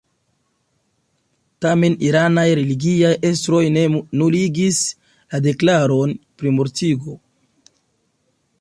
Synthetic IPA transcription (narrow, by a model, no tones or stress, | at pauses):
tame̞niɾanajɾe̞liɡiajʔe̞stɾo̞jnuliɡis | lade̞klaɾo̞npɾimoɾtiɡo̞